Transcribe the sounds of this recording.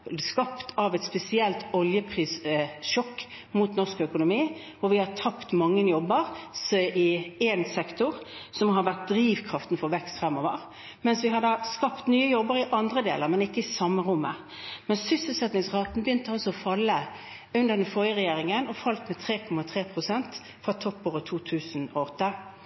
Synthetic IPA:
skɑpt̪ʰɑʋɛt̪spɛsɪɛlt̪ɔljəpʰʁiːsʃɔkː | muːt̪nɔʁskœkʊnʊmiː | ɔʋɪhɑt̪ʰɑpt̪mɑŋːənjɔbːəʁsɪɛnsɛkt̪ʊʁsɔmɦɑɾʋæt̪̚d̪ɾiːʋkʰɾɑft̪n̩fɔɾʋɛkst̪fʁɛmːɔʋə̰ʁ | mɛnsʋɪɦɑd̪ɑːskɑpt̪nyːəjɔbəɾɪʔɑnd̪ʁəd̪eːləɾmɛnɪkːəɪsɑmːəʁʊmːə | mɛnsʏsəl̩sɛt̪nɪŋsʁɑːt̪ənbəjʏnt̪əɑlsɔɔfɑlːə | ʉnd̪əɾd̪ɛnfɔɾjəʁɛjeːɾɪŋənɔfɑlt̪mɛt̪ʰɾeːkʰɔmːɑt̪ʰʁeːpʰɾʊsɛnt̪ | fʁɑt̪ʰɔpːoːɾət̪ʰuːt̪ʰʉːsənɔɔt̪ːə

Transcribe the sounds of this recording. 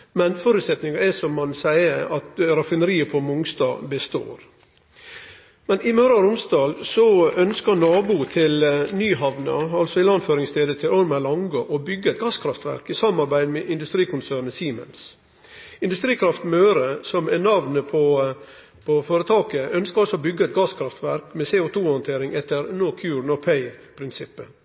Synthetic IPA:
mɛnfɔɾʉːt̪sɛt̪nɪŋɑɛsɔmhɑnsæɪəɾɑt̪ɾɑfɪnəɾiːəpʰɔmʊŋst̪ɑ̰ːbəst̪o̰ːɾ | mɛnɪmøːɾɑɾʊmsd̪ɑːlsɔœnskənɑːbut̪ʰɪlnyːɦɑʋnɑ̰ɑlsɔɪlɑnføːɾɪŋst̪ʰeːd̪ət̪ʰɪlɔɾmælɑŋɡoʔɔbʏɡːəɛt̪̚ɡɑskʰɾɑft̪ʋæ̰ɾkɪsɑmːɑɾbæɪd̪meːʔɪnd̪ʉst̪ɾiːkʊnsæːɾnəsiːmə̰ns | ɪnd̪ʉst̪ɾiːkʰɾɑft̪møːɾəsɔmɛnɑʋnəpʰɔ | pʰɔfoːɾət̪ʰɑːkəœnskəɾɑlsɔbʏɡəɛt̪̚ɡɑːskʰɾɑft̪ʋæɾkmɛseːʊt̪ʰuːhɔnt̪ʰeːɾɪŋɛt̪əɾnoːkʰjʉːɾn̩ɔpʰæɪpʰɾɪnsɪpːə

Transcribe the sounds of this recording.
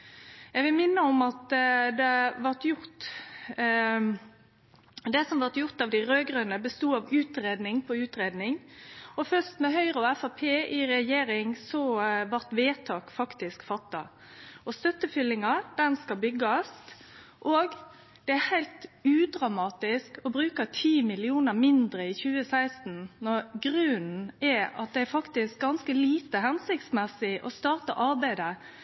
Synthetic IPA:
ɛɡʋɪlmɪnːəɔmɑt̪d̪ɛʋɑʁt̪jʊɾt̪ | d̪ɛsɔmʋɑʁt̪jʊɾt̪ɑʋd̪æɪɾøːɡɾœnəbəst̪uːɑʋʉːt̪ɾeːd̪nɪŋpʰɔʉːt̪ɾeːd̪nɪŋɔfœst̪mɛɦœʏɾəɔɛfɑpʰeːʔɪɾɛjeːɾɪŋsɔʋɑɾt̪ʋeːt̪ʰɑːkfɑkt̪ɪskfɑt̪ːɑ̰ | ɔst̪œt̪ːəfʏlːɪŋɑd̪̥ɛnskɑlbʏɡːɑst̪ʔoːɡ | d̪̥ɛæhæɪlt̪ʉːd̪ɾɑmɑːt̪ɪskɔbɾʉːkət̪ʰiːmɪlɪuːnəɾmɪnd̪ɾəɪçʉːəsæɪst̪n̩nɔɾɡɾʉːnn̩ɛɑt̪̚d̪ɛæɾfɑkt̪ɪsk̚ɡɑnskəliːt̪əɦɛnsɪkt̪smɛsːɪʔɔst̪ɑːʁt̪ɑ̰ʔɑɾbæɪd̪ə

